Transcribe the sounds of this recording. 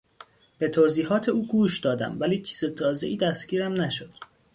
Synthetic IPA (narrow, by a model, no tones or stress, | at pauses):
b̥e̞t̪ʰoːziːɦɒːt̪ʰe̞uːɡuːʃd̪ɒːd̪æ̰mvæliːt͡ʃʰiːz̥et̪ʰɒːze̞ʔiːd̪æst̪ɟ̥ʲiːɾæmnæʃod̪̥